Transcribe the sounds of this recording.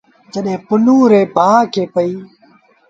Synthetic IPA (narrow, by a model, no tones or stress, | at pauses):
d͡ʒəɗɦẽːpʊnũːɾeːbʱaːkʰeːpəiː